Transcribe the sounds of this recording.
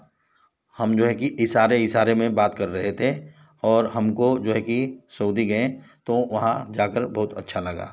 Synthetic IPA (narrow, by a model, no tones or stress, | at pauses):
hɐmd͡ʒoːɦɛkiʔɪsaːɾeɪsaːɾemẽbaːt̪kɐɾːɐɦet̪ʰe | ɔːɾɦɐmkod͡ʒoːɦɛkisoːd̪ʱiɡɐẽt̪oʋɐɦãd͡ʒaːkəɾbɐɦʊt̪ɐ̰tːʃʰalɐɡa̰ː